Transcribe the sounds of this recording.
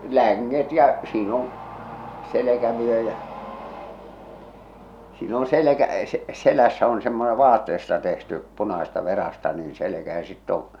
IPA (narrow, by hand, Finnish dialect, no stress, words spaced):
læŋːet jɑ siːn on selekæʋyø jæʔ siːn on selekæ selæsːæ on semːone ʋɑːtːeːstɑ tehty punɑsestɑ ʋerɑstɑ niːn̞ selekæ jɑ sitː õː